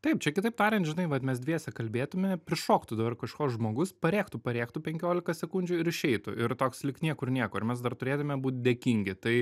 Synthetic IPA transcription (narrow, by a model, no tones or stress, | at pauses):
t̪ɐɪp̚t͡ʃʲɛkʲɪt̪ɐɪp̚t̪ɑːɾʲɛnt̪ʒʲɪnɐɪʋɐt̪mʲɛsdʲʋʲiɛsʲɛkɐlʲbʲeːt̪ʊmʲɛpʲɾʲɪʃoːkt̪ʊd̪ɐbɐrkɐʃkoːsʒmoːɡʊspɐɾʲeːkt̪ʊpɐɾʲeːkt̪ʊpʲɛŋʲkʲoːlʲɪkɐsʲɛkʊnʲd͡ʒʲʊɪɾɪʃʲɛɪt̪ʊ̰ɪɾt̪oːkslʲɪkt̪nʲiɛkʊɪɾnʲiɛkoːɪɾmʲɛs̬d̪ɐrt̪ʊɾʲeːt̪ʊmʲɛbuːt̪̚ʲd̪ʲeːkʲiŋʲɡʲɪt̪ɐɪ